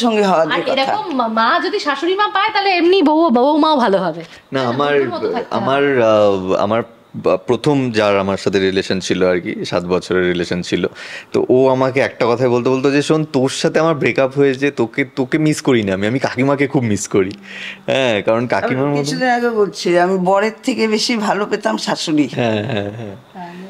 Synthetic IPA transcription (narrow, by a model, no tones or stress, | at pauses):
ʃɔŋɡeɦɔoaaeɾɔkommad͡ʑod̪iʃaʃonimapaet̪aleemniboobooumaobʱaloɦɔbe | naamaɾɔt̪ʰaka̰maɾ | a̰maɾ | pɾot̪ʰomd͡ʑaɾamaɾʃat̪ʰeɾileʃont͡ɕʰiloaɾkḭʃa̰t̪bɔt͡ɕʰoɾeɾːileʃont͡ɕʰilot̪o̰ʔoamakeɛk̚ʈakɔt̪ʰaebolt̪̬ebolt̪̬od͡ʑeʃont̪oɾʃat̪ʰeamaɾbɾekapɦoet͡ɕʰet̪oket̪okemiskoɾiniamiamikakimakekʰubmiskoɾiɦɛ̃kaɾonkakimaɾmot̪t͡ɕʰud̪iaɡoɡolt͡ɕʰiamibɔɽet̪ʰːekebeʃibʱalopet̪amʃaʃoliɦɛ̃ɦɛ̃ɦɛ̃